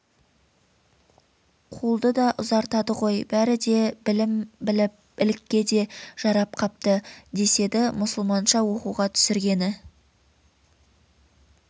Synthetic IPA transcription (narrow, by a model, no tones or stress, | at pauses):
qʰulˠd̪əd̪ɑʔʊzɑɾt̪ɑd̪əʁo̞jbæɾɪd̪e̞lɪmbɪlɪp | ɪlɪkʲːe̞d̪e̞ʒ̥ɑɾɑp̚qʰɑp̚t̪əd̪e̞se̞d̪ɪmʊsəlˠmɑnʃɑwo̞quʁɑt̪ʰʏ̥sɪɾɡʲe̞nɪ